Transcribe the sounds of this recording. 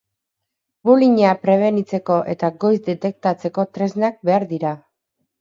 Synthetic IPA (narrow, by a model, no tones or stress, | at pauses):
buliɲapɾe̞β̞e̞nit͡se̞ko̞ʔe̞t̪aɡo̞jzd̪e̞t̪e̞k̚t̪at͡se̞ko̞t̪ɾe̞znak̚be̞aɾðiɾa